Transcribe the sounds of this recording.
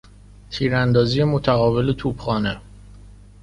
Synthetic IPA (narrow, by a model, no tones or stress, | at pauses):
t̪ʰiːɾænd̪ɒːzije̞mot̪ʰæɣɒːbe̞let̪ʰubxɒːne